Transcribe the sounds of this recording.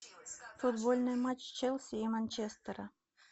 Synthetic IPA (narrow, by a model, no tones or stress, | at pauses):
fʊd̪bolʲnɨjmat͡ɕt͡ʃelʲˠsʲiːmanʲt͡ɕest̪əɾə